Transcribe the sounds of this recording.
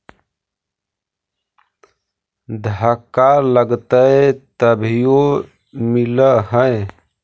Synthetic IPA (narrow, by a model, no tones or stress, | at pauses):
d̪ʱəkaləɡt̪əet̪əbʱijo | miləɦəj